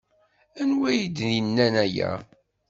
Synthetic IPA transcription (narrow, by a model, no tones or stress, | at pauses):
ænwæjid̪ninːænæjæ̰